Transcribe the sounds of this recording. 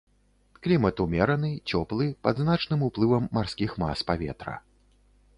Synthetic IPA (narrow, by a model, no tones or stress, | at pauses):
klʲimɐt̪umʲɛɾɐnɨt͡sʲɔplˠɨpɐd̪znat͡ʂnɨmuplˠɨvɐmːarskʲixma̰spavʲɛ̰t̪ɾɐ̰